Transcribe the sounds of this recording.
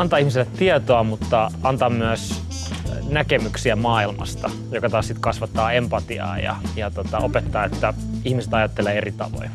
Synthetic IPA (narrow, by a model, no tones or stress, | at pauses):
ɑnt̪ɑːihmisilːet̪tiet̪oɑmut̪ːɑɑnt̪ɑːmmyæs | nækemyksiæmɑːilmɑ̰st̪ɑ | jokɑt̪ɑːssit̪kɑsʋɑt̪ːɑːempɑt̪iɑ̰ːjɑ̰jɑt̪ot̪ɑʔopet̪ːɑːet̪ːæ | ihmiset̪ɑjɑt̪ːelˑeːerit̪ɑ̰ʋo̰j